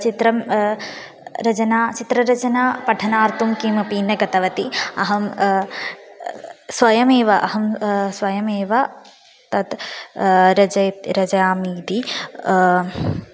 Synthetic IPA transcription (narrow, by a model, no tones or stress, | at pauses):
t͡ʃit̪ɾɐm | ɾɐt͡ʃɐnaːt͡ʃit̪ɾɐɾɐt͡ʃɐnaːpɐʈʰɐnaːɾt̪umkimɐpiːnːɐɡɐt̪ɐʋɐt̪iɐ̰ɦɐm | sʋɐjɐmeːʋɐʔɐɦɐmsʋɐjɐmeːʋɐ | t̪ɐt̪ | ɾɐd͡ʒɐjɾɐd͡ʒɐjaːmiːd̪i